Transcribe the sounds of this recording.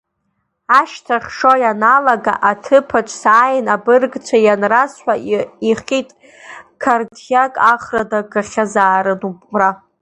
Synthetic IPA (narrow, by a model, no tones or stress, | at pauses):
aʃtʰaχʲʂojanalaɡa̰ʔatʰɨpʰat͡ʃʷʼsaːjnabɨrɡt͡ʃʷʰajanrasħʷᶣaiχʲitʼ | kʰardʰjakʼaχradaɡaχʲazaːɾɨnupʼra